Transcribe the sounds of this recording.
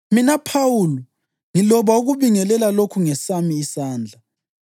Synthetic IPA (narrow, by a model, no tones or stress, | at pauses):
minapʰawulɔ | ŋilɔβauɣuβiŋɛlɛlalokʰuŋɛsamiːsaːnd͡ɮʱa